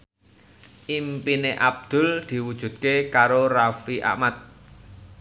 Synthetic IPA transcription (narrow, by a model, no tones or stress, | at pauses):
ʔimpineʔab̚d̪̥ʊ̤ld̪̥i̤wud̥ʒ̥ṳt̪̚kekaɾorafiʔa̰ʔmat̪̚